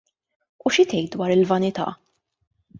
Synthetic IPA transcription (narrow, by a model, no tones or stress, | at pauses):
uʃɪt̪ɛjt̪̚d̪wɐːɾɪlvɐnɪt̪ɐ̰ː